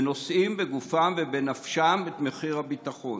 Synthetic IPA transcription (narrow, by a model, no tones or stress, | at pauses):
no̞sʔimbeɡufamvebenafʃamet̪meχiʁhabit̪aχo̞